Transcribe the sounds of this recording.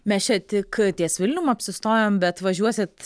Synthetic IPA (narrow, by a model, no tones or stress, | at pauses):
mʲɛst͡ʃʲɛt̪ʲɪkt̪ʲiɛsʋʲɪlʲnʲʊmɐpʲsʲɪst̪oːjoːmbʲɛt̪ʋɐʒʲuɔsʲɪt̪